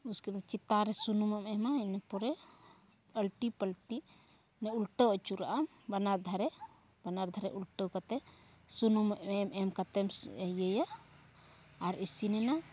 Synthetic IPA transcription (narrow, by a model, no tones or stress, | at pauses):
uskɛt̪ɛt͡ʃit̪aɾɛsunumamɛmainɛpɔɾɛ | əlʈipəlʈi | nɛulʈɔɔt͡ʃuɾaʔam | banaɾd̪ʱaɾɛ | banaɾd̪ʱaɾɛʔulʈɔkat̪ɛ | sunumʔɛmɛmkat̪ɛmɛjɛja | ɾisinɛna